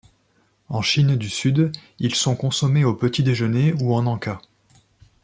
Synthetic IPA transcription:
ɑ̃ʃind̪ysyd̪ | ilsɔ̃kɔ̃sɔmeopət̪id̪eʒəneuɑ̃nɑ̃ka

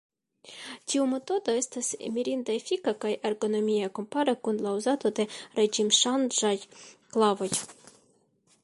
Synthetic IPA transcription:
tiume̞t̪o̞d̪o̞e̞stasḛmiɾind̪aefikakajaɾɡo̞no̞mʲiako̞mpaɾekunlauzat̪o̞d̪e̞ɾed͡ʒimʃand͡ʒajklavo̞j

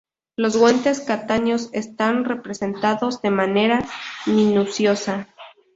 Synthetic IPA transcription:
lo̞zɣwe̞nt̪e̞skat̪aɲo̞se̞st̪anre̞pɾe̞se̞nt̪aðo̞zðe̞mane̞ɾamĩnusjo̞sa

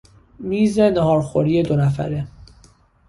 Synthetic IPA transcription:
miːze̞neɦɒːɾxo̰ɾiːje̞d̪o̞næfæ̰ɾe

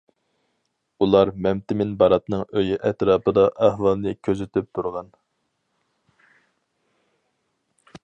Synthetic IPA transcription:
ulˠɑɾmɛmt̪ɪmɪnbɑɾɑt̪nɨŋøjyʔɛt̪ɾɑːpɨd̪ɑʔæhwɑlˠnɨkʲʰøzɪt̪ʰyp̚t̪ʰuɾʁɑn

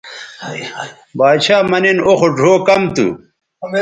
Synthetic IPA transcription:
baːd̪ɕaːmɐninoxoɖʱoːkɐmt̪ṵ

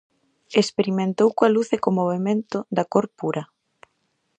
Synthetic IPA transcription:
espeɾimẽnt̪owkwaluθekomoβemẽnt̪ʊd̪ɐkoɾpuɾɐ

